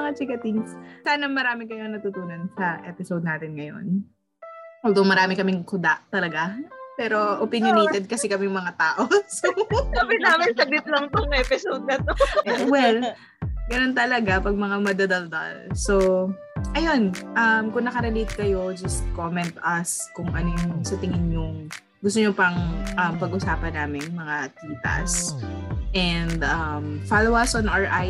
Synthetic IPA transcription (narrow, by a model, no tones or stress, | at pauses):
ɐŋat͡ʃɪɡɐt̪inssaːnɐŋmɐɾaːmɪkɐjoŋnɐt̪ut̪uːnɐnsɐʔɛpɪsowd̪̚naːt̪ɪnŋɐjo̞̰n | ld̪oŋmɐɾaːmɪkɐmɪŋkʊd̪a̰ʔt̪ɐlɐɡapɛːɾo̞ʔopɪnjʊniːt̪ɛd̪̚kɐsɪkɐmɛjʊŋmɐŋat̪aːʔo̞sokɐbɪnaːmɪnsɐɡ̚lɪt̪lɐŋt̪oŋʔɛːpɪsowd̪̚nɐt̪owɛl | ɡɐnont̪ɐlɐɡapɐɡ̚mɐŋamɐd̪ɐd̪ɐld̪ɐ̰lso | ʔɐjonʔɐmkʊŋnɐkɐɾɛlet̪̚kɐjo̞d͡ʒɐst̪̚komɛnt̪ɐskʊŋʔɐnojʊŋsɐt̪ɪŋɪnjʊŋ | ɡʊst̪oɲopɐŋʔɐmpɐɡʔʊsaːpɐnaːmɪŋmɐŋat̪iːt̪ɐ̰s | ʔɛnd̪ʔɐmfalowɐsɔnʔɐɹʔaj